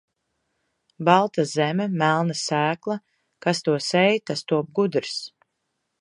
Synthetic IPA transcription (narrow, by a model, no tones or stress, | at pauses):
balˠt̪azɛmɛmælˠnasæːklˠa | kast̪uɔsɛjt̪ast̪uɔp̚ɡud̪ɾs